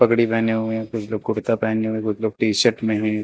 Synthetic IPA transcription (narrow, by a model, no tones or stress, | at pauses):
pɐkɽipɛːneɦuẽkʊt͡ʃʰloːɡ̚kʊɽt̪apɛːneɦuẽkʊt͡ʃʰloːɡ̚ʈiːʃəʈmẽɦɛ̃